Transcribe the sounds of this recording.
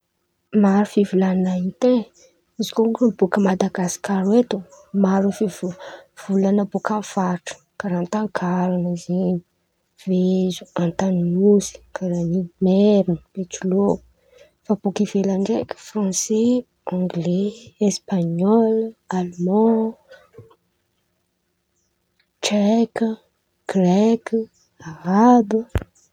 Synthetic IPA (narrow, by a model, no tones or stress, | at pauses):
maɾufivulannait̪e | izikokubukəmad̪aɡasi̥kaɾet̪umaɾufivuv̥ulanəbukanfaʈ͡ʂə̥kaɾant̪aŋkʰaɾanəzeni̥ | v̥ezuãnt̪aninuzi̥kaɾanimeɾinəmet͡ʃulo | fab̥ukivelaɳɖ͡ʐekə̥frɑ̃se | ɔ̃ŋɡleespaɲɔlalmɔ̃ | ʈ͡ʂɛkə | ɡ̥rɛki | aɾabə